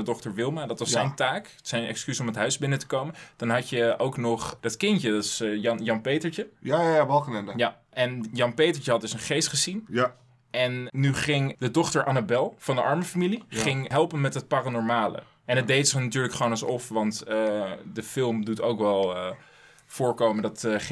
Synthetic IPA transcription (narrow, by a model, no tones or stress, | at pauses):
dədɔχtəɹʋɪlˠmadɑtʋɑsɛjntaːk | sɛjnɛ̰kskysɔmətɦœɥzbɪnətə̥kowmənd̥ɑnɦɑcəowknɔχd̥ɑtkɪncədɑɪsjɑnjɑnpejtəɹt͡ʃəjaʋɑlˠkənɛnja | ʔɛnjɑnpejtəɹt͡ʃəɦɑt̚dɵsənχejstχəzin | ʔɛnːyχɪŋdədɔχtəɹʔanabɛlˠv̥ɑndəʔɑɹməfamiliχɪŋɦɛlˠpənmɛtɦət̚paranɔɹmaːlə̰ | ɛnət̚dejtsɪχnatyːɹləkχʋownɑsɔfʋɑntədəfɪlˠmdutowkʋɛlˠ | fʊːɹkowməndɑtχ